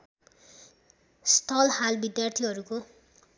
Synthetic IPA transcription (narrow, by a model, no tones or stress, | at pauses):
st̪ʰʌlhalbid̪jart̪ʰiɦʌɾuko